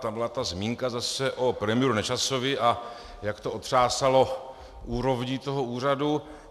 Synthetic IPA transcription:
t̪ambɪlat̪azmiːŋkazasɛʔopɾɛmɪjɛɾunɛt͡ʃaso̞vɪʔa | jakt̪o̞ot̪r̝̥aːsalo̞ | ʔuːɾo̞vɲiːt̪o̞ɦouːr̝adu

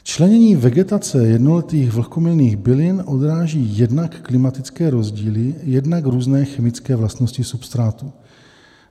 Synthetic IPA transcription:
t͡ʃlɛɲɛɲiːvɛɡɛt̪at͡sɛjɛdnolɛt̪iːɣvl̩komɪlniːɣbɪlɪnʔo̞d̪ɾaːʒiːjɛdnakːlɪmat̪ɪt͡skɛːɾo̞zɟiːlɪjɛdnakɾuːznɛːxɛmɪt͡skɛːvlast̪noscɪsupst̪ɾaːt̪u

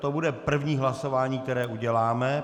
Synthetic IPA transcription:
t̪obudɛpr̩vɲiːɦlaso̞vaːɲiːk̚t̪ɛɾɛːʔuɟɛlaːmɛ

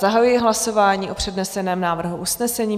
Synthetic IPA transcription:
zaɦajujɪɦlaso̞vaːɲiːʔo̞pr̥ɛdnɛsɛnɛːmnaːvr̩ɦuʔusnɛsɛɲiː

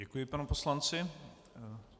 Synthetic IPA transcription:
ɛkujɪpanuposlant͡sɪ

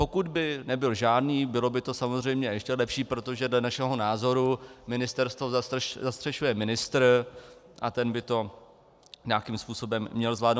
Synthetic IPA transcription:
po̞kud̪bɪnɛbɪlʒaːdniːbɪlo̞bɪt̪o̞samo̞zr̝ɛjmɲɛjɛʃcɛlɛpʃiːpɾo̞t̪o̞ʒɛdlɛnaʃɛɦo̞naːzo̞ɾumɪnɪst̪ɛɾst̪vozzast̪r̥ɛʃujɛmɪnɪst̪ɾ | ʔat̪ɛnbɪt̪o̞ | ɲaakimspuːso̞bɛmːɲɛlzvlaːdno

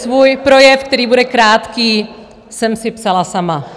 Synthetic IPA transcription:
svuːjpɾo̞jɛfkt̪ɛɾiːbudɛkɾaːt̪kiː | sɛmsɪpsalasama

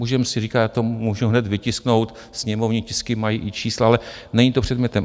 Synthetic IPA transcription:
muʒɛmsɪriːkat̪jaːt̪omuːʒuɦnɛt̪vɪcɪskno̞wt̪ | sɲɛmovɲicɪskɪmajiʔɪt͡ʃiːslaalɛ | nɛɲiːt̪opr̝ɛd̪mɲɛt̪ɛm

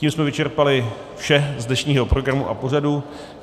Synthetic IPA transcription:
iːmsmɛvɪt͡ʃɛɾpalɪ | fʃɛzdnɛʃɲiːɦo̞pɾo̞ɡɾamuʔa̰po̞radu

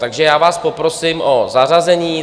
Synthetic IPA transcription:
t̪aɡʒɛjaːvaːspopɾo̞simʔozarazɛɲiː

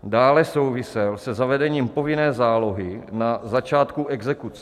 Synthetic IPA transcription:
daːlɛso̞wvɪsɛlsɛzavɛdɛɲiːmpo̞vɪnɛːzaːlo̞ɦɪnazat͡ʃaːt̪kuʔɛɡzɛkut͡sɛ

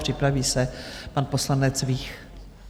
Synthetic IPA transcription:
pr̝̥ɪpɾaviːsɛpanpo̞slanɛt͡sviːx

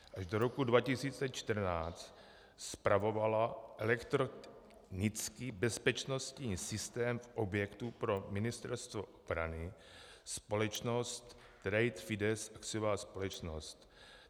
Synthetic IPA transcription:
ʔaʒdoɾokudvacɪsiːt͡sɛt͡ʃt̪ər̩naːt͡st̪ | spɾavo̞valaʔɛlɛkt̪ɾo | nɪt͡skiːbɛspɛt͡ʃno̞st̪ɲiːsɪst̪ɛːmfʔobjɛkt̪upɾo̞mɪnɪst̪ɛɾst̪voʔobɾanɪ | spo̞lɛt͡ʃnost̪ː | ɾɛjt̪fɪdɛsakt͡sɪovaːspo̞lɛt͡ʃnost̪

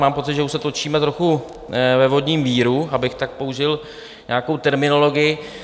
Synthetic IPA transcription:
maːmpo̞t͡sɪd̪ʒɛuʃsɛt̪ot͡ʃiːmɛt̪ɾo̞xu | vɛvo̞dɲiːmviːɾuabɪxt̪ak̚pouʒɪl | ɲaːkowt̪ɛɾmɪno̞lo̞ɡɪjɪ

